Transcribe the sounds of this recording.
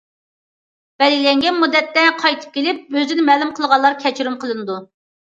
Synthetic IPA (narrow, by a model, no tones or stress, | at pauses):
b̥ɛlɡʲilɛŋɡʲɛnmud̪ːɛt̪ːɛqʰɑjt̪ʰɨ̥p̚kʲʰelɪp̚øzɪnɪmɛːlumqʰəlˠʁɑlˠːɑɾkʲʰɛt͡ʃʰiɾymqʰəlˠɨnɨd̪u